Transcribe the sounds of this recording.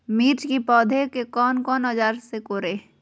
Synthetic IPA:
miːt͡ʃkipɔːd̪ʱekekɔːnkɔːnəd͡ʒaːɾsekoːɾeː

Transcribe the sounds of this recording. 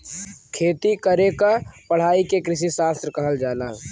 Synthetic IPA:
kʰeːt̪ikəɾekapəɽ̤aːikekɾɪʃ̬isaːst̪ɾəkəɦəld͡ʒaːlaː

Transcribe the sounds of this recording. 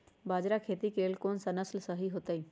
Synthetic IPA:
baːd͡ʒɾakʰeːt̪ikeːlkoːnsɐnəslsɐɦiɦoːt̪aiː

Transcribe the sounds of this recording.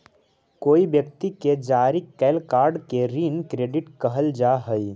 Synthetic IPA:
koːibjək̚t̪iked͡ʒaːɾikːɛːlkaːɾɖkeɾiːnkɾeːɖɪʈkəɦəld͡ʒaːɦəi

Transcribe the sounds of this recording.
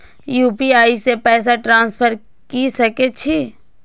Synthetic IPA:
juːpiaːisepɛːs̬aʈɾãːnspʰəɾ | kisɐket͡ʃʰi

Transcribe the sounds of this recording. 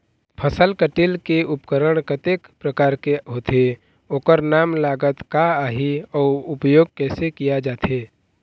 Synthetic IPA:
pʰəsəlkəʈilkeʊpkəɾəɽ̃kət̪ekpɾəkaːɾkeɦoːt̪e | oːkəɾnaːmlaːɡət̪kaaːɦiɔːɾʊpjoːɡ̚kɛːsekijad͡ʒaːt̪eː

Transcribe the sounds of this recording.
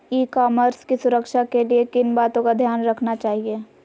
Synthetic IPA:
iːkaːməɾskisʊɾəkʃakeliekɪnbaːt̪õkad̪ʱjaːnɾɐkʰnat͡ʃaːɦieː

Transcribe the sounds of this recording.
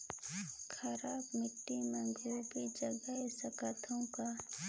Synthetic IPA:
kʰɐɾaːbmɪʈːimẽɡʱubid͡ʒəɡəɦesəkət̪ʰõka

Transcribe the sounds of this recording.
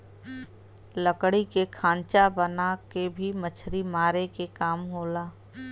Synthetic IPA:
ləkɽikekʰãːnt͡ʃabənakebʱimət͡ʃʰɾimaːɾekekaːmɦoːlaː

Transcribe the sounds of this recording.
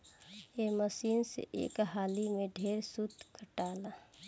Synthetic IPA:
eməsiːnsḛʔḛːkɦaːlimẽɖʱeːɾsut̪kʰəʈaːla

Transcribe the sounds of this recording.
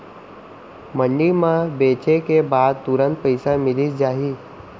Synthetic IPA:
məɳɖimãbeːt͡ʃekebaːd̪̚t̪ʊɾə̃nt̪̚pəɪsamɪlid͡ʒaːɦiː

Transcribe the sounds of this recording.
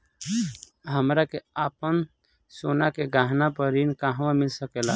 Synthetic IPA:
ɦəmɾakeapən | sonakeɡaɦnapəɾinkaɦwamilsəkela

